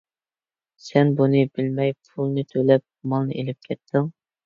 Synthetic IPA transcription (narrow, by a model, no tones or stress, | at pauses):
sɛnbunɨbɪlmɛjpʰulˠnɨt̪ʰølɛp̚mɑlˠnɨʔelɪp̚kʲʰɛt̪ʰːɪŋ